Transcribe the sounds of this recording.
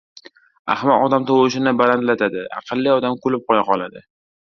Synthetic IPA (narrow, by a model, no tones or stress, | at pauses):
a̰hmaɒd̪amt̪ʰowɪʃɪnɪbalant̪lat̪ʰad̪ɪɑ̰qʰɨlˠːiɒd̪amkʰolɪp̚qɒjaqɒlad̪ɪ